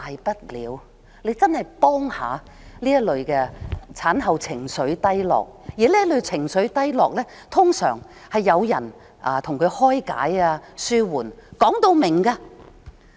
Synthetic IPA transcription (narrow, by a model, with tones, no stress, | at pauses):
hɐ˨jpɐ˥t̚liː˨˧w | le˨˧jt͡sɐ˥nhɐ˨jpɔː˥ŋha̰ː˨˧ | liː˥jɐ˥t̚lɵ˨˧ɥkɛ˧t͡sʰaː˨˥nɦɐ˨˧wt͡sʰɪ˨˩ŋsɵ˨˧ɥt̪ɐ˥jlɔ̰ː˨k̚jiː˨˦liː˥jɐ˥tlɵ˨˧ɥt͡sʰɪ˨˩ŋsɵ˨˥ɥt̪ɐ˥jlɔː˨k̚lɛː˥ | t̪ʰʊ˥ŋsœ̰ː˨˩ŋ | hɐ˨jːɐ˨˧wjɐ̰˨˩n | ʔaː˨˩t̪ʰʊ˨˩ŋkʰɵ˨˧ɥhɔː˥jka̰ː˨˥jaː˧syː˥wuː˨˩nkɔː˨˥ŋt̪o˧wmɪ˨˩ŋkaː˧